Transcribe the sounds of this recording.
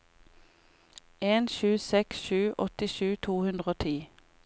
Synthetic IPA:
eːnʃʉːsɛksʃʉːʔɔt̪ɪʃʉːt̪ʰuːhʉnd̪ʁəoːt̪ʰiː

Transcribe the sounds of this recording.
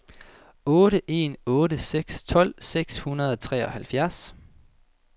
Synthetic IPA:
ɔ̽ːɾəʔe̝̰ːnɔ̽ːɾəseɡ̥st͡sʰɒ̽l̰seɡ̥shunɐð̞ˠɒ̽t͡sʰʁɛ̰ːɒ̽hælfjæɐs

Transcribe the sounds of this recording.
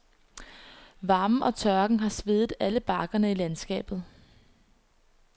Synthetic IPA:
ʋɑ̈ːmʔɒ̽t͡sʰɶɐɡ̥ŋ̩ɦɑ̈sʋe̝ðˠð̩ˠæləb̥ɑ̈ːɡ̥ɐnəilænsɡ̥ɛ̰ːb̥ð̞̩ˠ

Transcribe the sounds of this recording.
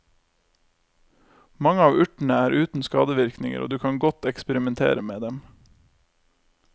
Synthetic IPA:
mɑŋəɑːʋʉʈɳ̩əæːɾʔʉːt̪n̩skɑ̰ːd̪əʋɪɾknɪŋə̰ʔo̰ːd̪ʉːkʰɑŋɡɔt̪ɛkspəɾɪmɛnt̪ʰḛːɾəmeːd̪ɛm

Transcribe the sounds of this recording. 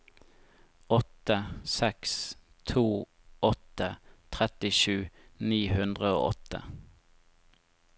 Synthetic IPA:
ɔt̪əsɛks | t̪ʰuː | ɔt̪ət̪ʰʁɛt̪ɪʃʉːniːhʉnd̪ʁəo̰ːʔɔt̪ə̰

